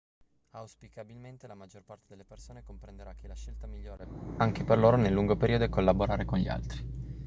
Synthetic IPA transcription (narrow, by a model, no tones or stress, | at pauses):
awspikabilment̪elamad͡ʒːorpart̪ed̪elːepersoːnekompɾend̪eɾak̟ʰːelaʃelt̪amiʎːoːɾeaŋk̟eperloːɾonelːuŋɡopeɾiːod̪oekːolːaboɾaːɾekonʎia̰lt̪ɾi